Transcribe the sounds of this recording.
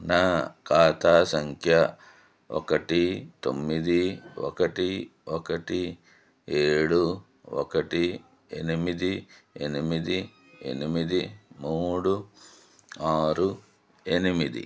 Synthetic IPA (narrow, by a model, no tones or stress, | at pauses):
naːkaːt̪aːsɐŋkʰjɐ | ɔ̰kɐʈit̪o̰mːid̪iɔ̰kɐʈiɔkɐʈi | eːɽu | ɔ̰kɐʈi | enimid̪ienimid̪i | ḛnimid̪imuːɽu | aːɾu | enimid̪ḭ